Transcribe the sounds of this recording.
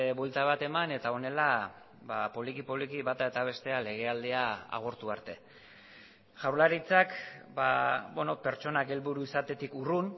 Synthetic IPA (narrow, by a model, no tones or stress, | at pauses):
βwe̞lt̪aβat̪e̞mane̞t̪ao̞ne̞la | βapo̞likipoβlikiβat̪ae̞t̪aβ̞e̞st̪e̞ale̞ɣ̞e̞ald̪e̞aa̰ɣ̞o̞ɾt̪uaɾt̪e̞ | ʝawɾlaɾit͡sakbabweno̞pe̞ɾt͡ʃo̞nake̞lβuɾuisat̪e̞t̪ikurun